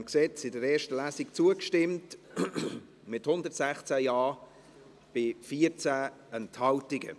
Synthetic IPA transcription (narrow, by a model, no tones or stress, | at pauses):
mksɛt͡sɪdəɾɛːʃtəlæːsikt͡suəkʃtɪmt | mɪthʊndətsæχt͡sæjɑː | b̥ɪfiːəɾt͡sæː | ənthɑltɪɡə̰